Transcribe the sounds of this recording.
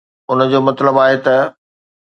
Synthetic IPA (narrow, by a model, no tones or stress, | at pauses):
ʊnə̆d͡ʑoːmɐt̪ləbaːɦet̪ɐ